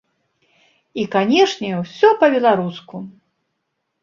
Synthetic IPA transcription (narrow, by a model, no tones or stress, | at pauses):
ikanʲɛʂnʲɛwsʲɔpɐbʲɛlˠaɾusku